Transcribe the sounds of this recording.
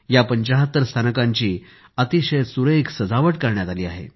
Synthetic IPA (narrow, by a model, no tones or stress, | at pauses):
japəɲt͡ɕaɦət̪ːəɾst̪ʰanəkãɲt͡ɕiː | ət̪iɕəjsuɾəiksəd͡zaʋəʈkəɾɳjat̪aliːa̰ɦḛ